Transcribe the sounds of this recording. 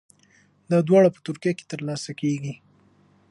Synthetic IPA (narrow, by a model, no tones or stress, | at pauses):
d̪ɑd̪wɑɽapə̥t̪ʊɾkijake̥t̪əɾlɑsakeɡi